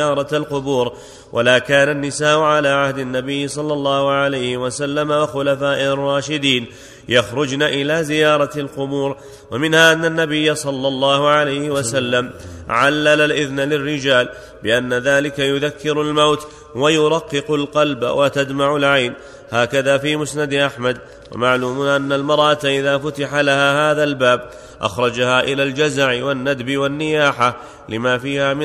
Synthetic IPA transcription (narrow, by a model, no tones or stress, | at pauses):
ɑːɾˤɑalqʊbuːɾ | wʔalaːkaːnanːɪsaːʔʊʕalaːʕahd̪anːabɪjːɪsˤɑlːɑlˤːɑːhʊʕalajhɪwasalːamawaxʊlafaːʔɪrˤːɑːʃɪd̪iːn | jaxɾʊd͡ʒnaːʔɪlaːzɪjɑːɾˤɑlqʊbuːɾ | wamɪnhaːʔanːanːabɪjːasˤɑlːɑlˤːɑːhʊʕalajhɪwasalːamʕalːalalʔɪðnlɪrːɪd͡ʒaːl | bɪʔanːaðaːlɪkajʊðakːɪɾʊlmawt̪ | wajʊɾˤɑqːɨqʊlqɑlba̰wʔat̪ad̪maʕʊlʕajn | haːkaðaːfiːmʊsnad̪ʔaħmad̪ | wa̰maʕluːmʊnʔanːalmɑɾˤʔat̪ʔɪðaːfʊt̪ɪħalahaːhaːðalbaːb | ʔa̰xɾˤɑd͡ʒahaːʔɪlaːld͡ʒazaʕɪwanːad̪bɪwanːɪjaːħa | lɪmaːfiːhaːmɪ